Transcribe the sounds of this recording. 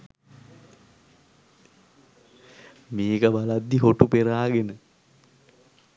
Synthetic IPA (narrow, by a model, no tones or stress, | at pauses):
meːkəbalad̪ːiɦoʈupeɾaːɡenə